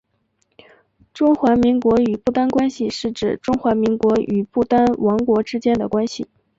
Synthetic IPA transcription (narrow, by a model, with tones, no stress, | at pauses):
ʈ͡ʂʊ˥ŋxwa˧˥mi˧˥ŋkwɔ˧˥y˨˩pu˥˩t̪a˥nkwa˥nɕi˨ʂɻ̩˥˩ʈ͡ʂɻ̩˥˩ʈ͡ʂʊ˥ŋxwa˧˥mi˧˥ŋkwɔ˧˥y˨˩pu˥˩t̪a˥nwɑ˧˥ŋkwɔ˧˥ʈ͡ʂɻ̩˥t͡ɕjɛ˥nd̪ə˨kwa˥nɕi˨˩